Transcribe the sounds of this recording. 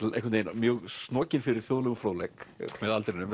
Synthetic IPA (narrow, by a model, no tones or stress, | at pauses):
ehkʰnejnmjœːɣsnɔːcɪnfɪɾɪɾ̥θjoːðlʏmfloːwðlɛkmɛðalt̪ɾnʏm